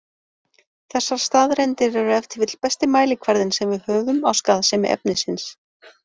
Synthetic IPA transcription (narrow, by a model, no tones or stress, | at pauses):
θɛsːaɾ̥st̪aːðɾɛjnt̪ɪɾɛɾʏɛft̪ʰɪvɪt̪l̥pɛst̪ɪmaːjlɪkʰvaɾðɪnsɛmvɪðhœːɣʏmawskaːðasɛːmɪ̰ʔɛ̰p̚nɪsɪns